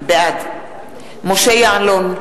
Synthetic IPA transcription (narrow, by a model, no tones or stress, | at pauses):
bead | moʃejaanlon